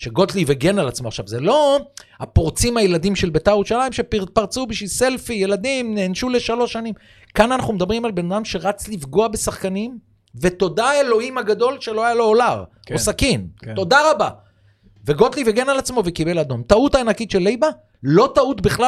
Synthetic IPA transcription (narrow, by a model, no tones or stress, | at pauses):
ʃe̞ɡo̞t̪liveɡe̞nalat͡smo̞aχʃavzelo̞apoʁt͡simajelad̪imʃelbet̪ajeʁuʃalajimʃe̞paʁt͡subiʃise̞lfije̞lad̪imneːnʃule̞ʃalo̞ʃanim | kananaχnumed̪abʁimalbe̞nad̪amʃe̞ʁat͡slifɡo̞abesaχkanim | ve̞to̞d̪aelo̞himhaɡad̪o̞lʃe̞lo̞ajalo̞ːlaʁ | kosakinto̞daʁaba | veɡo̞t̪liveɡe̞nalat͡smo̞vekibe̞lad̪o̞mt̪aut̪aːnakit̪ʃe̞lːejba | lo̞t̪aut̪biχla